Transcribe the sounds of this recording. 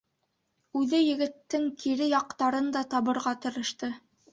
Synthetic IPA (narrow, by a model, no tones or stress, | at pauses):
ʉðɘjɘ̆ɡɘ̆t̪ːɘŋkiɾɘjɑq̚t̪ɑɾɤnd̪ɑt̪ɑβɤ̆ɾʁɑt̪ɤ̆ɾɤ̆ʃt̪ɤ